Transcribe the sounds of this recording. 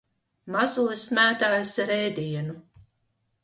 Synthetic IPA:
mazuɔsmæːt̪aːjsɾɛːd̪iɛnu

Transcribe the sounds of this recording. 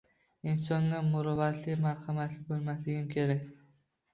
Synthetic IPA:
ɪnsɒŋːamʊɾɒvat̪lɪmaɾhamat̪lɪbolˠmaslɪɡʲɪmkʲʰe̞ɾakʲ

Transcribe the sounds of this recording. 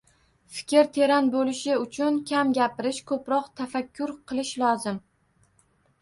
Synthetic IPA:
fɪ̥kʲʰɪɾt̪ʰe̞ɾanbolɪʃɪʊt͡ʃʰʊnkʲʰamɡʲapɪɾɪʃkʰɵpɾɒqt̪ʰafakʲʰːʊɾqʰɨlˠɪʃlˠɒzɪm

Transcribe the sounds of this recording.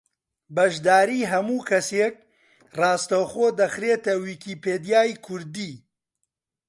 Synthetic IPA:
bɐʒd̪aːɾiːɦɐmuːkʰɐseːk̚ | raːst̪ɐwxoːd̪ɐxɾeːt̪ɐwiːkiːpeːd̪ijaːjkʰʊɾd̪iː

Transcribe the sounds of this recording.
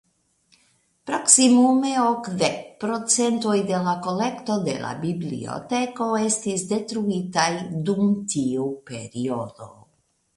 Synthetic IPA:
pɾo̞ksimume̞okd̪ek̚pɾo̞t͡se̞nt̪o̞jd̪e̞lako̞le̞kt̪o̞d̪e̞̰la̰biblḭo̞̰t̪e̞ko̞e̞st̪isd̪e̞t̪ɾuitajdumtiupe̞ɾiod̪o̞̰

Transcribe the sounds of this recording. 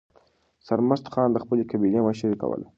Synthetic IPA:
saɾməst̪xɑːnd̪əxpəlekabineməʃaɾika̰wə̰la̰

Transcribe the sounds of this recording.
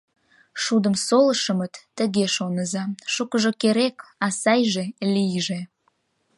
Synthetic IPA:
ʃud̪əmsoləʃəmət̪ːəɣeʃonəzɑʃukəʒokeɾekɑsɑjʒelijʒe

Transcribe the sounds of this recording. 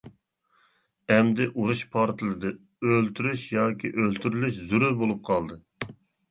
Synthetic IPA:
ɛmd̪ɪʔuɾuʃpʰɑɾt̪ʰɨlˠɨd̪ɨ | ølt̪ʰyɾyʃjɑːkʲʰiʔølt̪ʰyɾylyʃzuɾyɾbolˠup̚qʰɑlˠd̪ɨ

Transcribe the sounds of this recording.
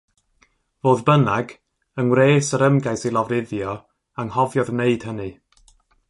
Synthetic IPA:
voːðbənaɡ | ənwreːsəɾəmɡajsilˠɔvrɪðjɔ | aŋhɔvjɔðmneɨd̥hənɨ

